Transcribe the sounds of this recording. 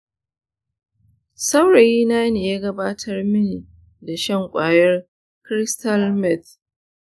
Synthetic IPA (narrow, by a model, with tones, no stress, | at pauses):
sɐ˦wɽa˨jiː˦naː˦ne˨jaː˦ɡɐ˦baː˦tʰɐ˦rmɪ˦ni˨ | da˨ʃɐ˦˨ŋkʷʼaː˨jɐ˦r | kɾɪ˦stɐ˦lmɛ˦˨t